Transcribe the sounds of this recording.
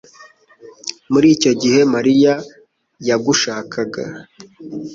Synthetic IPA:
muɾiːco̞ɟihe̞maɾija | jaɡuʃaːkʰaɡa̰

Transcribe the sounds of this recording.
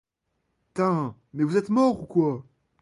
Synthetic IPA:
t̪ɛ̃ | mɛvuzɛt̪mɔʁukwa

